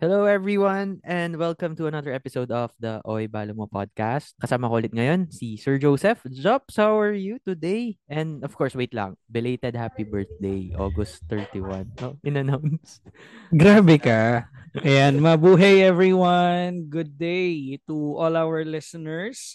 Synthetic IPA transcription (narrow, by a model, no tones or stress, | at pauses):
hɛloːɛvɹiwɐnʔɛ̃nd̪wɛlkɐ̃mt̪ʊɐnɐdðəɹʔɛpɪsowd̪ɔfd̪ɐʔojbaːlomopɔ̰d̪̚kast̪̚kɐsaːmɐkoʔlɪt̪̚ŋɐjonsisɛɹd͡ʒowsɛfd͡ʒɔp̚sawɛɹjut̪ʊd̪ejʔɛ̃nd̪ɔv̥kɔɹswejt̪lɐ̰ŋbɪlejt̪ɛd̪̚hapibɛɹθ̚d̪ejʔo̰ːɡɔst̪ːɛɹt̪iwɐ̰nʔoʔʔɪnɐnawns | ɡɾaːbɛkaʔɛjanmɐbuːɦejɛvɹiwanɡʊd̪̚ːejt̪uʔɔlawəɹlɪsɔnɛɹs